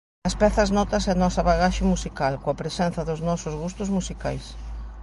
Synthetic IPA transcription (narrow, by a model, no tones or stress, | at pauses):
ɐspɛθɐznɔt̪ɐseɐnɔsɐβaɣaʃɪmusikalkõɐpɾesɛn̟θɐðʊznɔsʊzɣust̪ʊzmusika̰js